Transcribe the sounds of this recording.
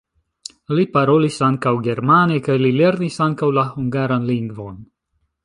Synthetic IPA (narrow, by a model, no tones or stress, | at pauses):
lipaɾo̞lisaŋkawɡe̞ɾmanekajlile̞ɾnisaŋkawlahuŋɡaɾanliŋɡvo̞n